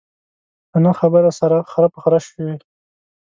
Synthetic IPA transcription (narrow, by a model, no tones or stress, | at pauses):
kənaxabəɾasaɾaxaɾapəxaɾaʃi